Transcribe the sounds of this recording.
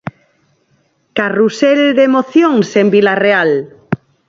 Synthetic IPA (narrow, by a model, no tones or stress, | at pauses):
karuseld̪emoθjoŋsembilareal